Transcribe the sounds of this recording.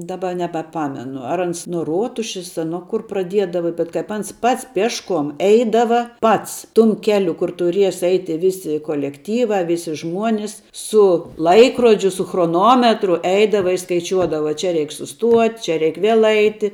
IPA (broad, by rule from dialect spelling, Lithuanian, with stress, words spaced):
dɐˈbɐ nʲɛbɐˈpɑːmʲɛnʊ ɐr ˈɐns nuɔ ˈruɔtʊʃʲɪs ɐ ˈnuɔ kʊr prɐˈdʲiɛdɐʋɐ bʲɛt kɐɪp ˈɐns ˈpɐts ˈpʲiɛʃˌkuɔm ˈɛɪdɐʋɐ ˈpɐts ˈtʊm ˈkʲæːlʲʊ kʊr tʊˈrʲiɛs ˈɛɪtʲɪ ˈʋʲɪsʲɪ koːlʲɛkˈtʲiːʋɐ ˈʋʲɪsʲɪ ˈʒmuɔnʲɪs sʊ ˈlˠɐɪkroːd͡ʒʲʊ sʊ xroːˈnoːmʲɛtrʊ ˈɛɪdɐʋɐ ɪ skɐɪˈt͡ʃʲuɔdɐʋɐ ˈt͡ʃʲɛ ˈrʲɛɪk sʊˈstuɔtʲ t͡ʃʲɛ ˈrʲɛɪk ˈʋʲiɛlˠ ˈɐɪtʲɪ